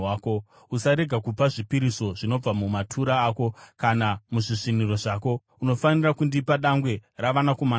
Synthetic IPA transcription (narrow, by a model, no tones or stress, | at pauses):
aːko̞ | usaɾe̞ɡʱakupaʐipiɾiso̞ʐino̞b͡vamumatʰuɾaːko̞kanamuʐiʐiniro̞ʐaːko̞ | uno̞fanirakundipaɗaŋɡwe̞raʋanakoma